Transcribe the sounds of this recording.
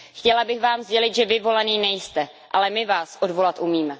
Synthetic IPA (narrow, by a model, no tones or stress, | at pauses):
xcɛlabɪxvaːmzɟɛlɪt̪ʒɛvɪvo̞laniːnɛjst̪ɛ | ʔalɛmɪvaːsʔodvo̞lat̪ʔumiːmɛ